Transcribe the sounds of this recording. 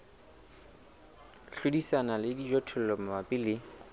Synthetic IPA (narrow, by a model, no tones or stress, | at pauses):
ɬudisanalɪdid͡ʒɔtʰʊl̩lɔm̩mapʼilɪ